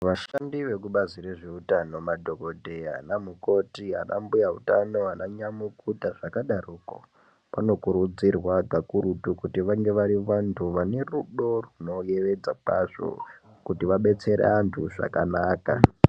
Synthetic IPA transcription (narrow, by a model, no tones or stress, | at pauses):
ʋaʃandiʋe̞kuɓazire̞ʐe̞utano̞madʱo̞kodʱe̞ja̰namuko̞tia̰na̰mbujaɦutano̞anaɲamukutaʐakaɗaruːko̰ | pano̞kuɾud͡zirwaɡʱakuɾutukutiʋaŋɡe̞ʋaɾiʋantʰuʋane̞ruɗo̞runo̞jeʋe̞d͡zak͡paʐo̰ | kutiʋaɓe̞t͡se̞ɾḛantʰuʐa̰kanaːka̰